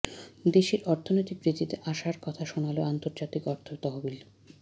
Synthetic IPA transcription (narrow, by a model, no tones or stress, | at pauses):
d̪eʃiɾɔɾt̪ʰonojt̪ik̚bɾid̪ʱːit̪eʔaʃaɾkɔt̪ʰaʃonaloant̪oɾd͡ʑat̪ikɔɾt̪ʰot̪ɔɦobil